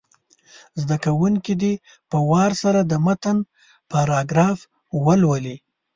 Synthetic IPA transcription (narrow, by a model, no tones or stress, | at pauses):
zd̪akawuŋkid̪i | pəwɑɾsaɾad̪əmat̪an | paɾɑɡɾɑf | wəlwəli